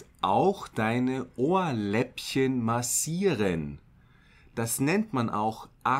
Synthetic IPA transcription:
ʔaʊxd̥aɪnəʔoːɐlɛpçənmasiːʁən | d̥asnɛntmanʔa̰ʊxʔa

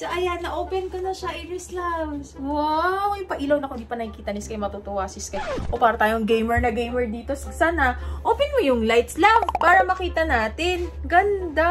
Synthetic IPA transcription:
sɐʔɐjanːɐʔoːpɛnkɐnɐʃaʔɪɾɛslabswawjʊpɐʔiːlownɐkohɪnd̪iːpɐnɐhikiːt̪ɐnɪskɐjmɐt̪ut̪ʊwasɪskɐʔʔopaːɾɐt̪aːjoŋɡejmɛɹnɐɡejmɛɹd̪iːt̪o̞ssaːnɐʔoːpɛnkojʊŋlajt̪slavpaːɾɐmɐkiːt̪ɐnaːt̪ɪnɡɐnd̪a

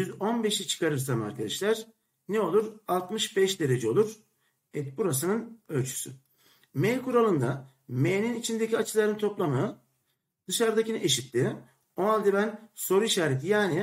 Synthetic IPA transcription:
jyzo̞nbe̞ʃit͡ʃʰɯ̥kʰaɾɯɾsamæ̰ɾkad̪ɛʃlʲæɾ̥ | neo̞lˠuɾalˠt̪mɯʃbɛʃd̪e̞ɾe̞d͡ʒɛo̞lˠuɾ̥ | ɛt̪̚buɾas̬ɯnɯnø̞lʲt͡ʃʰy̥sy̰ | mejkuɾalˠɯnd̪a | mejninit͡ʃʰind̪e̞cʰiat͡ʃʰɯlˠaɾɯnt̪ʰo̞plˠama | d̪̥ɯʃaɾd̪acinʔeʃit̪ːi | onalʲˠd̪ibænso̞ɾuiʃaːɾet̪ʰijaːni

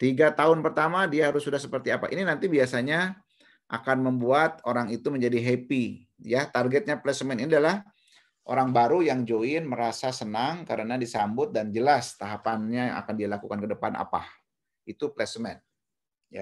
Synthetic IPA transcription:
t̪iɡat̪aʊnpərt̪amadiaɦaɾʊsːudahsəpərt̪iapa̰ʔininant̪ibiasaɲa | ʔa̰kanməmbuat̪̚oɾaŋit̪uməɲd͡ʒadiɦepi | jat̪arɡɛt̪̚ɲaplɛsmɛniniadalah | ʔo̰ɾaŋbaɾujaŋd͡ʒoɪnməɾasasənaŋkaɾənadisambʊt̪̚dand͡ʒəlast̪aɦapanɲajaŋa̰kandialakukankədəpanʔa̰pa̰h | it̪uplɛsmɛn | ja̰

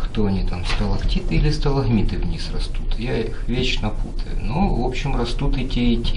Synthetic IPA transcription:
xt̪oɐnʲit̪amst̪ɐlˠɐktʲit̪ɨilʲɪst̪ɐlˠɐɣmʲit̪ɨvnʲisrɐst̪ut̪jaixvʲet͡ɕnɐput̪ʰə̰jʊ̰novopɕɪmrɐst̪ut̪ɛtʲiitʲ

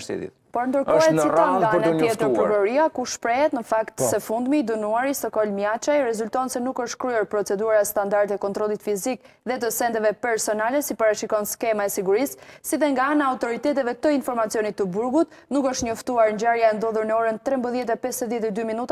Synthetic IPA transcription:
sḭðḭ | pɔɾnd̪əɾɔɛsiaɡaaɾnajɛt̪əɾpəɾɡɔɾiakuʃpɾɛɦɛt̪nəfakt̪ssɛfund̪miːd̪ənuaɾisɔkɔlmjat͡ʃajɾɛzult̪ɔnsɛnukəʃt̪kɾyɔɾpɾɔt͡sɛd̪uɾaɛst̪and̪aɾt̪ɛkɔnt̪ɾɔlˠit̪fizik | ðɛt̪̬əsɛnd̪ɛvɛpɛɾsɔnalɛsipaɾaʃikɔnskɛmaɛsiɡuɾisːiðɛŋɡaanaːut̪ɔɾit̪ɛt̪ɛvɛt̪əinfɔɾmat͡sjɔnit̪ːəbuɾɡut̪ | nukəʃt̪ɲɔft̪uaɾɲd͡ʑaɾjaɛnd̪ɔðuɾnəɔɾənt̪ɾɛmbəðjɛt̪̬ɛpɛsəðjɛt̪ɛd̪yminut̪a

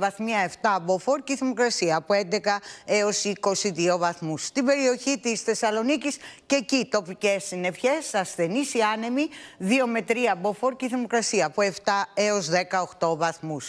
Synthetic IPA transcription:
vɐθmiɐe̞ft̪ɐːbo̞fo̞ɾciθimo̞kɾɐsiɐːpoe̞nd̪e̞kɐeo̞siko̞siðio̞vɐθmust̪ibe̞ɾio̞çit̪isθe̞sɐlo̞nicisce̞cit̪o̞pice̞sine̞fçe̞sɐsθe̞nisiɐne̞miðio̞me̞t̪ɾiɐbo̞fo̞ɾciθimo̞kɾɐsiɐːpoe̞ft̪ɐeo̞zðe̞kɐo̞xt̪o̞vɐθmus

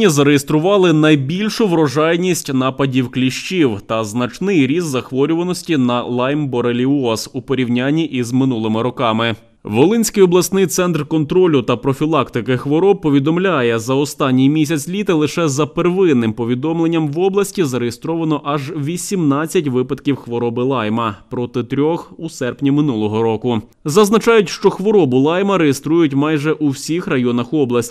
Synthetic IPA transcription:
izɐɾejest̪ɾʊʋɑlˠɪnɐjbʲilʲʃʊʋɾɔʒɑjnʲisʲtʲnɑpɐdʲiwklʲiʃt͡ʃiwt̪ɐznɐt͡ʃnɪjɾʲizːɐxʋɔɾʲʊʋɐnɔsʲtʲinɐlˠɑjmbɔɾelʲiɔsupɔɾʲiwnʲanʲːiʔizmɪnulˠɪmɪɾɔkɑmɪ | ʋɔlˠɪnʲsʲkɪjɔblˠɐsnɪjt̪sɛnt̪rkɔnt̪ɾɔlʲʊt̪ɐpɾɔfʲilˠɑkt̪ɪkɪxʋɔɾɔb̚pːɔʋʲid̪ɔmlʲajɛzɐɔst̪ɑnʲːijmʲisʲɐt͡sʲlʲit̪ɐlˠɪʃɛzɐperʋɪnːɪmpɔʋʲid̪ɔmlˠenʲːɐmʋɔblˠɐsʲtʲizɐɾejest̪ɾɔʋɐnɔʔɐʒʋʲisʲimnɑt͡sʲːɐtʲʋɪpɐd̪kʲiwxʋɔɾɔbɪlˠɑjmɐpɾɔt̪ɪt̪ɾʲɔxusɛrpnʲimɪnulˠɔɦɔɾɔkʊ | zɐznɐt͡ʃɑjʊtʲʃt͡ʃɔxʋɔɾɔbʊlˠɑjmɐɾejest̪ɾujʊtʲmɑjʒɛʔuwsʲixrɐjɔnɐxɔblˠɐsʲtʲ

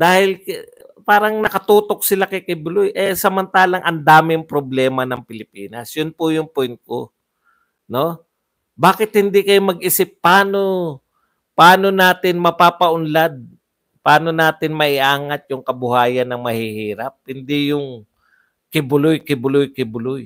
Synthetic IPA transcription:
d̪aːhɪl | paːɾɐŋnɐkɐt̪uːt̪o̞k̚sɪlakɪkɪbʊlʊjʔɛsɐmɐnt̪aːlɐŋʔɐnd̪aːmɪŋpɾoblɛːmɐnɐŋpɪlɪpiːnɐsjʊnpʊjʊŋpɛnko | no̞ | baːkɪt̪̚hɪnd̪ikɐjomɐɡʔɪsɪpːaːno̞ | pɐaːno̞naːt̪ɪnmɐpaːpɐʔʊnlad̪̚ | paːno̞naːt̪ɪnmɐʔɪʔaːŋɐt̪̚jʊŋkɐbʊhaːjɐnːɐŋmɐhihiːɾɐp̚hɪnd̪ijʊŋ | kɪbʊlʊjkɪbʊlʊjkɪbʊlʊj

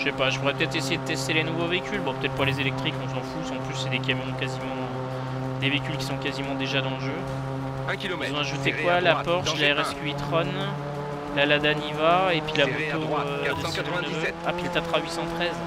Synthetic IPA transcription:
ʃɛpaʒəpuʁɛpət̪ɛt̪χesejed̪ət̪ɛst̪elenuvoveikʲylbɔ̃pø̥t̪ɛt̪χpalezelɛk̚t̪χikɔ̃sɑ̃fusɑ̃plysːɛd̪ekamɔ̃kazimɑ̃ | d̪eveikʲylkʲi̥sɔ̃kazimɑ̃d̪eʒad̪ɑ̃ləʒø | zɔ̃aʒut̪ekwalapɔʁʃlaɛʁɛskʲyit̪χɔn | lalad̪anivaepɥilabot̪oød̪ə̃snvapilt̪at̪χaɥisɑ̃t̪χɛz

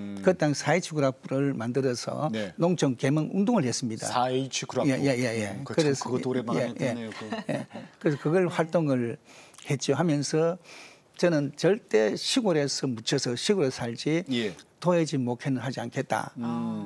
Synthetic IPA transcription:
kɯt͈aŋsʰait͡ɕʰuɡuɾapɾɯɭmandɯɾʌsʰʌ̰nnoŋt͡ɕʰʌŋkemɯŋundoŋɯɭhe̞s͈ɯmɲida̰ait͡ɕʰukuɾaejejejekɯɾeoɾejejeojekɯɾes̬ʰʌkɯɡʌɭɸwaɭt͈oŋɯɭhe̞t̚t͡ɕ͈joɦhamjʌnsʰʌ | t͡ɕʌnɯnt͡ɕʌɭt͈e̞ɕʰiɡoɾesʰʌmut͡ɕʰʌsʰʌɕʰiɡoɾesʰaɭd͡ʑitoɦed͡ʑimokʰenɯɾɦad͡ʑiankʰe̞t̚t͈a̰

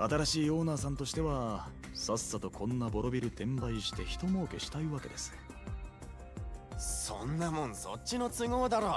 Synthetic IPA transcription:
at̪aɾaɕiːjo̞ːnaːsãnt̪o̞ɕi̥t̪e̞βa | sasːat̪o̞kʰõ̞nːabo̞ɾo̞bʲiɾɯ̟t̪ẽ̞mbaiɕi̥t̪e̞çi̥t̪o̞mo̞ːke̞ɕi̥t̪aiβake̞̰d̪e̞sɨ̥ | sõ̰nːamõ̞ñso̰tt͡ɕːino̞t͡sɨɡo̞ːd̪aɾo

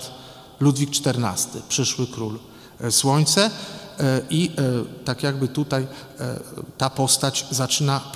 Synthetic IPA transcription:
lud̪vʲik̚t͡ʂt̪ɛɾna̰st̪ɘ̰pʂɘʂwɘkɾul | swɔɲt̪sɛ | ʔit̪akʲjaɡbɘt̪ut̪aj̰ | t̪apɔst̪at͡ɕzat͡ʂɘna

